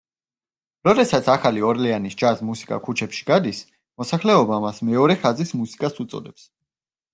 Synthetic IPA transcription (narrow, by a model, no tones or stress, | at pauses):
ɾɔd̪ɛsat̪sʰaχaliɔɾlɛanisd͡ʒasmusi̥kʼa̰kʰut͡ʃʰɛpʃi̥ɡ̥ad̪is | mɔsaχlɛɔbamasmɛɔɾɛχazismusi̥kʼasut̪sʼɔ̰d̪ɛps